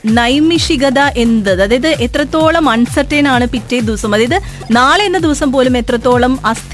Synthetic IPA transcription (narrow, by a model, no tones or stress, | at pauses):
nɐjmiʂiɣɐðɐʔe̞nd̪ɐðɨɐðiðɨe̞t̪rɐt̪ːo̞ːɭɐmɐɳsɐtːenaːɳɨpitːed̪iʋɐsɐmɐðiðɨ | naːɭe̞nːɨd̪iʋɐsɐmpo̞ːlume̞t̪rɐt̪ːo̞ːɭɐmɐst̪ʰ